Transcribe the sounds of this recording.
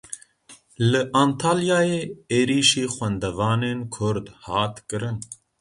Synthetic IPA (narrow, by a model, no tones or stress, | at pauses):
lɨʔaːnt̪ʰaːljaːjeːeːɾiːʃiːxwɛnd̪ɛvɑːneːnkʰʊɾd̪hɑːt̪kɨɾɨn